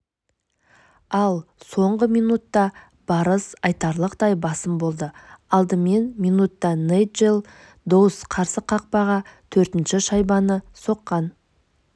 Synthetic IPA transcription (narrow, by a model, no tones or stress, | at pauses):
ɑlˠso̞ɴʁəmijnut̪ːɑ | b̥ɑɾəsɑjt̪ɑɾlˠəqd̪ɑjbɑsəmbo̞lˠd̪əɑlˠd̪əme̞nmijnut̪ːɑneʒelˠ | d̪owəsqʰɑɾsəqʰɑq̚pɑʁɑt̪ʰɵɾt̪ɪnʃɪʃɑjbɑnəso̞qːɑn